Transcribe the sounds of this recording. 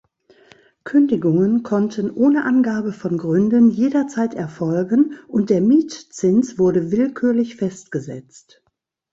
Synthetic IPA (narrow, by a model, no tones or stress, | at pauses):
kʰʏndɪɡʊŋənkʰɔntʰənʔoːnəʔanɡaːbəfɔnɡʁʏndənjeːdɐt͡saɪtɛɐfɔlɡənʔʊnt̚d̥eːɐmiːtt͡sɪnsv̥ʊɐɾəvɪlkʰyːɐlɪçfɛstɡ̥əzɛ̰t͡st